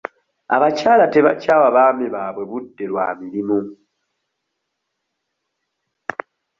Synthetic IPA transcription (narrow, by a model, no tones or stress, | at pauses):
a̰βacaːlate̞βacaːwaβaːmeβaːβwe̞βudːe̞lwa̰ːmiɾimu